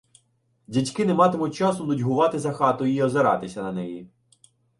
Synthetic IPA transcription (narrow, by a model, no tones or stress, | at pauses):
dʲitʲkɪnɛmɑt̪ɪmʊt̚ʲt͡ʃɑsʊnʊdʲɦʊʋɑt̪ɪzɐxɑt̪ʊiɔzeɾɑ̰t̪ɪsʲɐnɐnɛji